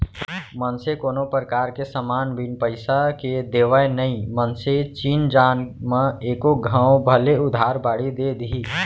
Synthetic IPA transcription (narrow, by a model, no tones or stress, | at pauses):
mənsekoːnopɾəkaːɾkesəmaːnbinpəɪsaked̪eːʋaenəĩmənset͡ʃiːnd͡ʒaːnmẽeːkoɡʱə̃ːobʱəleʊd̪ʱaːɾbaːɽid̪ed̪iiː